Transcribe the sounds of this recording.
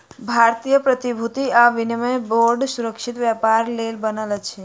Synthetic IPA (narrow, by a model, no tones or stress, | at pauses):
bʱaɾt̪ijəpɾət̪ibʱut̪iaʋinəmẽboɾɖsuɾəkʃit̪ʋjapaɾlelbənələt͡ʃʰe